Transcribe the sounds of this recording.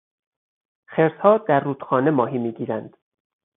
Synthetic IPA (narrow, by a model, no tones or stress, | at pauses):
χeɾshɒːd̪æɾːuːd̪̥xɒːne̞mɒːɦiːmiːɡiːɾænd̪̥